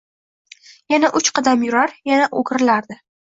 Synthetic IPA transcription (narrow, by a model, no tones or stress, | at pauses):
janaʔʊt͡ʃqʰɑd̪amjʊɾaɾjanaʔoɡʲɾɪlaɾd̪ɪ